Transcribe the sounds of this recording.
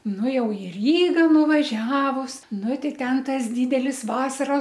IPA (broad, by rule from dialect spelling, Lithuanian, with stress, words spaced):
ˈnʊ ˈjɛʊ ɪ ˈrʲiːɡɐ nʊʋɐˈʒʲæːʋʊs ˈnʊ ˈtʲɛɪ ˈtʲɛn ˈtɐs ˈdʲiːdʲɛlʲɪs ˈʋɑːsɐroːs